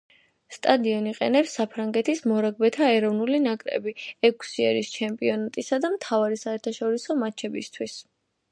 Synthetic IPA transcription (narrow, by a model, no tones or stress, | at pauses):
st̪ʼad̪iɔniqʼɛ̰nɛpsːapʰɾaŋɡɛt̪ʰismɔɾaɡ̚bɛt̪ʰaɛɾɔvnulinakʼɾɛ̰biɛkʰsiɛɾist͡ʃʰɛmpʼiɔnat̪ʼisad̪amt̪ʰavaɾisaɛɾt̪ʰaʃɔɾisɔmat͡ʃʰɛbist̪ʰwis